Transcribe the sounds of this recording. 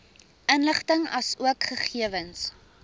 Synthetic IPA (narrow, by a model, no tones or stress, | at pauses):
ənləχtəŋɐsuəkχəχiəvəns